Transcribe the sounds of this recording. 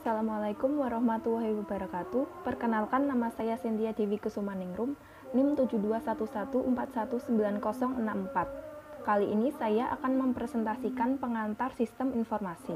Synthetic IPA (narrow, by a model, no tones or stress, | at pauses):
asalamalakʊmwaɾɔhmat̪ulːaɦiwabaɾakat̪upərkənalkanːamasajasənt̪iadiwikusumaniŋɾʊm | nɪmt̪ud͡ʒuduasat̪usat̪uʔəmpat̪̚sat̪usəmbilankɔsɔŋənammpat̪̚kaliʔːnisajaʔa̰kanməmpɾɛsɛnt̪asikanpəŋant̪arsist̪əminfɔrmasi